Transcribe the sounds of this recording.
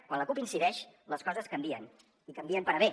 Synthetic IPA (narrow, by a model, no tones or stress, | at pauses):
kwanləkupinsiðɛʃləskɔzəskəmbiən | ikəmbiəmpəɾəe